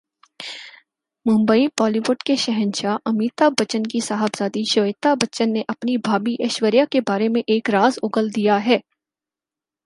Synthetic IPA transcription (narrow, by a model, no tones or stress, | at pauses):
mʊ̃mbəipɔːliʋʊʈkeʃɛɦə̃nʃaʔɐmiːt̪abɐt͡ʃənkisaːɦəbzaːd̪iʃoːjt̪abɐt͡ʃənːeʔɐpnibʱaːbiʔɛʃwəɾjakebaːɾemẽʔeːkɾaːzʊːɡəld̪ijaɦɛː